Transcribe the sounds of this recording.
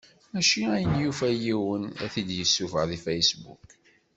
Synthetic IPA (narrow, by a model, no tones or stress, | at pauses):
mæʃiæjənjufæjiwənæ̰θid̪jəsːufə̰ʁðifæjsbṵk